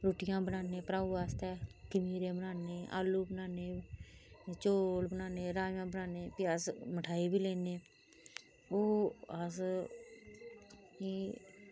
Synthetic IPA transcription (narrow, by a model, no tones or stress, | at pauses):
ɾoːʈɪjãːbənaːnẽːpəɾaːuːaːst̪ɛːkəmiːɾẽːbənaːnẽːʔa̰ːluːbənaːneː | t͡ʃoːlbənaːneːɾaːjãːbənaːneːpɪaːsməʈʰaːiːbiːleːneː | oːas̬